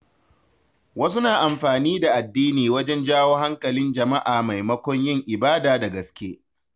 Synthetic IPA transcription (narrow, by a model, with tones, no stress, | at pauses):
wɐ˦s̬u˦naː˨ʔa˨mɸaː˨niː˦da˨ʔa˨dːiː˦niː˨wɐ˦d͡ʒɛ˦nd͡ʒaː˦woː˦ha˦ŋkɐ˨lɪ˦nd͡ʒɐ˨ma˦ʔaː˨ma˨jmɐ˦kʷɔ˦ɲjɪ˦ŋʔɪ˨baː˦daː˨da˨ɡɐ˨skʲeː˦